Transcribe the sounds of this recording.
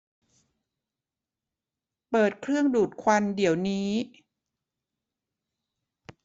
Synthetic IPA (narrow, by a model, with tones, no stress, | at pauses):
pɤː˨˩t̪̚kʰɾɯ˥˩əŋduː˨˩t̪̚kʰwa˧ndi˩˦əwniː˦˥